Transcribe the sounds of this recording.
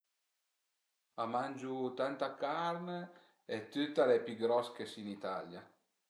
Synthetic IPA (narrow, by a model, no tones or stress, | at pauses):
amand͡ʒut̪ant̪akaɾn | ɛt̪ːyt̪ːalepyɡɾɔskesinit̪alja